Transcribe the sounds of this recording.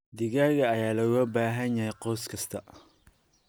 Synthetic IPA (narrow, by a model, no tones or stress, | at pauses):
d̪ɪɣaːɣɐːjaːlɐwbaːɦɐnjɐhɛjqɔwskʰɐst̪ʰɐ